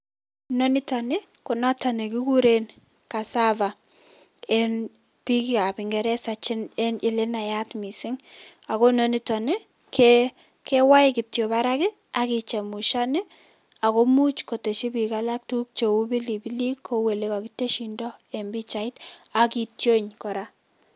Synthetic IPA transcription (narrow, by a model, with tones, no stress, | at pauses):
no˦ni˦tɔ˨ne˦ | kʊ˨nɔ˦tɔ˨ne˨ki˦ku˦ɾen | ka˨sa˦va˨ | en | pi˦ki˦ka˨pɪ˨ŋɡɛ˨ɾɛ˦sa˨t͡ʃɪ˦ne˦nɪ˨le˦na˨ja˦tmi˨sɪ˦ŋ | a˨ko˦no˦ni˦tɔ˨ne˦ | ke | ke˦wa˦ɪki˨tjo˨βaɾakɪ˦ | a˨ki˨t͡ʃɛ˨mu˨ʃa˦nɪ˦ | a˨ko˦mu˦t͡ʃko˨te˨ʃi˦pi˨kala˦k̚tu˦k̚t͡ʃo˨u˦bi˦li˨bi˦li˦kʰːowe˨le˦ka˨ki˦te˦ʃi˨ndɔ˦e˨mbi˦t͡ʃa˨ɪ˦ta˨ki˨tjo˦ɲkɔ˨ɾa